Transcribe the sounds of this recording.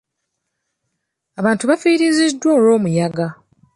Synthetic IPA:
aβaːntuβafiːɾizidːwoːlo̞ːmujaɡa

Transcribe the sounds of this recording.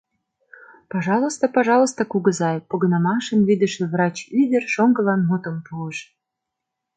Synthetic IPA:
pɑʒɑlˠost̪əpɑʒɑlˠŏst̪ɤkuɡɤ̆zɑjpoɡɤ̆nɑmɑʃə̆nβid̪ɘ̆ʃeβrɑt͡ɕyd̪ʲɘ̆rʃoŋɡɤ̆lɑnmut̪ə̆mpuəʃ

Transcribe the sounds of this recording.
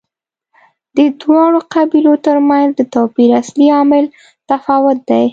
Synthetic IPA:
d̪̥əd̪wɑɽoqabilot̪əɾmanzd̪ət̪ɑpiɾasliɑmɪl | t̪afɑwʊt̪̚d̪aj

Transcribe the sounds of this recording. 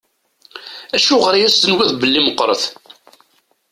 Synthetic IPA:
æʃuʁəɾjæst̪ənwiðbəlːiməqːɾˤə̰θ

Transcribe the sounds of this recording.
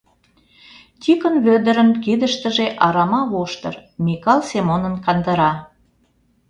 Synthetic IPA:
t̪ʲikə̆nβød̪ə̆ɾə̆nkid̪ə̆ʃt̪ə̆ʒeʔɑɾɑmɑβoʃt̪ɤ̰̆rmʲikɑlˠsemonə̆nkɑnd̪ə̆ɾɑ

